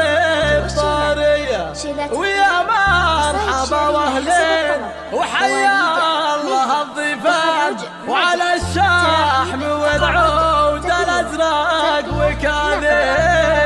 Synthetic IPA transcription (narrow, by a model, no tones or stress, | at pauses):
bt̪ˤɑːɾɪjːa | wɪjamaɾˤħabawahlen | wħajːalːɑɦɑðˤiːfa | wʕalaʃːaaħmɪwɪdʕowd̪alazɾˤɑkwɪkaːle